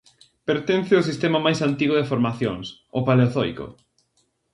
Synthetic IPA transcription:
peɾt̪enθɪʊsist̪emamajsant̪iɣoðefoɾmaθjoŋsopaleoθɔjkʊ̰

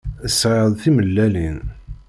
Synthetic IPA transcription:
əsːʕəðˤθiməlːælin

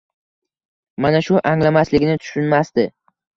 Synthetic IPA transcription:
manaʃʊʔaŋlamaslɪɡʲnɪt̪ʰʊ̥ʃʊnmast̪ɪ

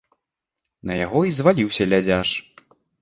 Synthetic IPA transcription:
nɐja̰ɣɔizvalʲiwsʲɐlʲad͡zʲaʂ

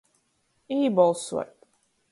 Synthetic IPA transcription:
iːbɔlˠswɛ̰t̚

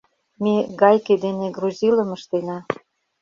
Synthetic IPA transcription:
meɡɑjked̪eneɡruzʲilə̆mə̆ʃt̪enɑ

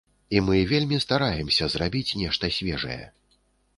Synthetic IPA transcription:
imɨvʲelʲmʲist̪aɾajɛmsʲɐzrabʲit͡sʲnʲɛʂt̪ɐsʲvʲɛʐɐ̰jɛ̰

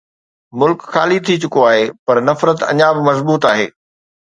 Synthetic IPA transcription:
mʊlkxaːlit̪ʰit͡ɕʊkoaːɦeːpɐɾnɐfɾət̪ɐ̰ɲabɪmɐzbuːt̪aːɦḛː

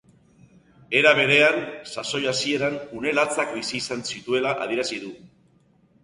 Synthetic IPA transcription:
e̞ɾaβ̞e̞ɾe̞ansaso̞jasie̞ɾanune̞lat͡sakbisiːsansit̪ue̞laʔa̰ðieɾasiðu

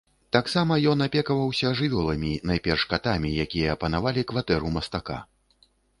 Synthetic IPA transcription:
t̪aksamɐjɔnapʲɛkɐvɐwsʲɐʐɨvʲɔlˠɐmʲinajpʲɛrʂkat̪amʲijakʲijɐːpɐnavalʲikvat̪ɛɾumɐst̪aka̰

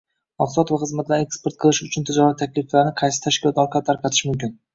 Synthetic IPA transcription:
mɑqsɒt̪vaχɨzmat̪laɾekspe̞ɾt̪̚qʰɨlˠɪʃʊt͡ʃʰʊnt̪ʰɪd͡ʒɒɾat̪ʰakʲlɪflaɾnɪqʰɑjsɪ̥t̪ʰaʃkʲɪlɒt̪ɒɾqʰaɾt̪ʰaɾqɑt̪ʰɪ̥ʃmʊmkʲɪn

